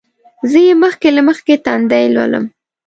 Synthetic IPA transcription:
zəjeməxkelaməxket̪and̪ajlwa̰lə̰m

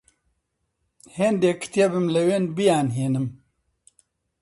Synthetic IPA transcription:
hend̪eːkʰɨ̥t̪ijebɨmlɨweːnbijaːnɦeːnɨm

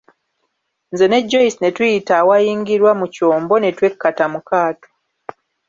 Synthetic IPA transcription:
nze̞ne̞ɟːo̞isine̞tujitawajiːŋɡiɾwamuco̞ːmbo̞ne̞twe̞kːatamukaːto̥

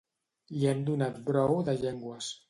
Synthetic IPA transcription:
liɛnd̪unat̪bɾɔwðəʎɛŋɡwəs

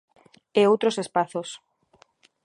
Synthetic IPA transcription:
eowt̪ɾosespaθos

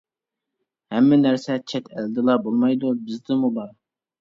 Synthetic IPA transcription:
hɛmːɪnæɾsɛt͡ʃʰɛt̪ʰɛld̪ɨlˠɑbolˠmɑjd̪ubɪzd̪ɪmubɑɾ

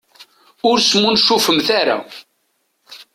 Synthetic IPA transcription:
ʊɾsmunʃufəmθaɾa̰

